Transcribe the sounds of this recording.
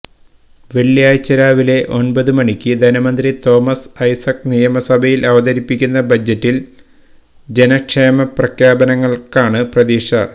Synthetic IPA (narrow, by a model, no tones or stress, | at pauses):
ʋeɭjaːjt͡ɕːɐɾaːʋile̞ʔo̞nbɐðɨmɐɳikʲːɨd̪ʱɐnɐmɐnd̪rit̪o̞ːmɐsɐjsɐk̚nijɐmɐsɐbʱɐjilʔɐʋɐd̪ɐɾipːikʲːunːɐbʱɐd͡ʑːetːil | d͡ʑe̞nɐkʂeːmɐprɐkʰjaːbɐnɐŋːɐɭkaːɳɨprɐd̪iːʂɐ